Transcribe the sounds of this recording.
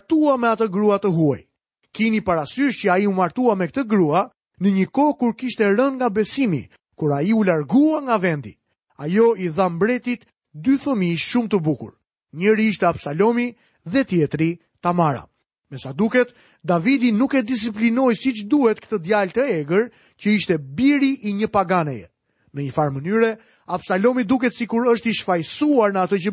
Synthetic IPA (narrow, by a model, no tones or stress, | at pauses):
t̪uamɛat̪əɡɾuat̪əɦua̰j | kinipaɾasyʃt͡ʃəaiumaɾt̪uamɛkt̪əɡɾua | nəɲəkɔkuɾkiʃt̪ɛɾənŋɡabɛsimḭ | kuɾaiulaɾɡuaŋɡavɛnd̪ḭ | ajɔiθambɾɛt̪it̪ | d̪yθəmiʃumt̪əbukṵɾ | ɲəɾiiʃt̪ɛapsalɔmi | ðɛt̪jɛt̪ɾi | t̪amaɾa̰ | mɛsad̪ukɛt̪ | d̪avid̪inukɛd̪isiplinɔjsit͡ʃd̪uhɛt̪kt̪əd̪jalt̪əɛɡəɾ | cəiʃt̪ɛbiɾiʔiɲəpaɡanɛjɛ̰ | nəɲəfaɾmənyɾɛ | absalɔmid̪uk̬ɛt̪sikuɾəʃt̪iʃfajsuaɾnəat̪əcə